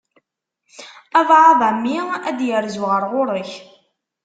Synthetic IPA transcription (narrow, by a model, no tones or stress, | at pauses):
ævʕaðˤəmːiæd̪jəɾzuʁəɾʁʊɾˤəç